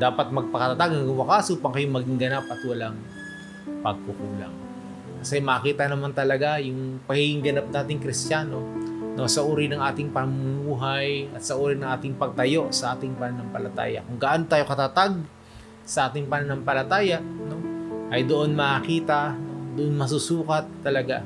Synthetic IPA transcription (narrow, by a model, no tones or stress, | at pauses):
d̪aːpɐt̪̚mɐɡ̚pɐkɐt̪ɐt̪aɡ̚ɡʊmakaːsupɐŋkɐjomɐɡɪŋɡɐnapʔɐt̪wɐlaŋ | pɐɡ̚pukula̰ŋ | kɐsɛmɐʔːkiːt̪ɐnɐmant̪ɐlɐɡajʊŋpɐɡhɪhɪŋɡɐnap̚naːt̪ɪŋkɾɪst̪jaːno̞no̞sɐʔuːɾɪnɐŋʔaːt̪ɪŋpɐmmuːɦɐjɐt̪sɐʔuːɾɪnɐŋʔaːt̪ɪŋpɐɡ̚t̪ɐjo̞ʔsɐʔaːt̪ɪŋpɐnanɐŋpɐlɐt̪a̰ːjɐ̰kʊŋɡɐʔanot̪aːjo̞kɐt̪at̪aɡ̚ | sɐʔaːt̪ɪŋpɐnanɐŋpɐlɐt̪aːjɐʔno̞ʔɐjd̪oʔonmɐʔkiːt̪ɐd̪oʔonmɐs̬usuːkɐt̪ːɐlɐɡa